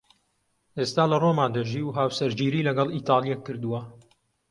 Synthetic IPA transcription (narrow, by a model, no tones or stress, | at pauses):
ʔest̪aːlɐromaːnd̪ɐʒiːwɦaːwsɐɾd͡ʒiːɾiːlɐɡɐlit̪ɑːlˠijɛkʰːɨɾd̪uwɐ